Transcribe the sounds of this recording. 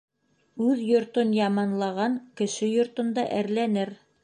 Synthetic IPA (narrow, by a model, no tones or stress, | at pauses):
ʉðjŏɾt̪onjɑmɑnlˠɑʁɑŋkɘ̆ʃɘjŏɾt̪ŏnd̪ɑʔæɾlænɘɾ